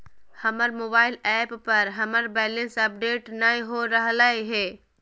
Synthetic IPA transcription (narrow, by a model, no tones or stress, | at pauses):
hɐməɾmoːbaːɪlɛːppɐɾɦɐməɾbɛːlə̃nsɐp̚ɖeːʈnɐĩɦoɾəɦlaeɦɛː